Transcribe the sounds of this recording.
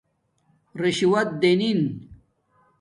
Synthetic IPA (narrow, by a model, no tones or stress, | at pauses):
ɾiɕiwɐt̪̚d̪enin